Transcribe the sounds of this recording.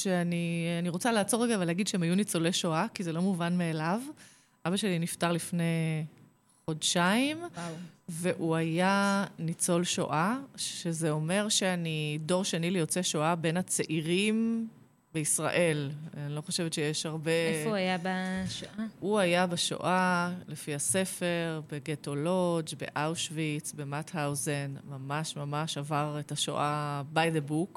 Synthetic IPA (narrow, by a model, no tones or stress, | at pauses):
ʃeanianiʁo̞t͡salaːt͡so̞ʁeɡaavaleaɡidʃeemajunit͡so̞leʃoʔakize̞lo̞muvanmeːlav | abaʃe̞liniftaʁlifne̞ | χo̞dʃaim | veʔuajanit͡so̞lʃo̰ʔaezeo̞me̞ʁʃeanido̞ʁʃenilijo̞t͡seʃoʔabe̞nat͡seʔiʁim | beisʁa̰ʔe̞lanilo̞χo̞ʃevetʃejeʃhaʁbeajabaʃoʔauajabaʃo̰ʔalefihase̞fe̞ʁbeɡeto̞lod͡ʒbḛʔawʃvit͡sbemathawzenmamaʃmamaʃavaʁetaʃo̰ʔabajdebuk